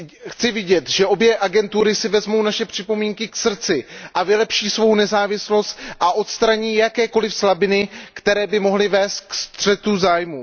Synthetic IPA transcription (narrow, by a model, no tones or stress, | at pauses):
xt͡sɪvɪɟɛt̪ʒɛʔo̞bjɛʔaɡɛnt̪uɾɪsɪvɛzmo̞wnaʃɛpr̝̥ɪpo̞miːŋkɪksr̩t͡sɪʔavɪlɛpʃiːsvo̞wnɛzaːvɪslo̞st̪ʔaʔo̞t̪st̪ɾaɲiːjakɛːko̞lɪfslabɪnɪkt̪ɛɾɛːbɪmo̞ɦlɪvɛːst̪̚kst̪r̝̥ɛt̪uzaːjmu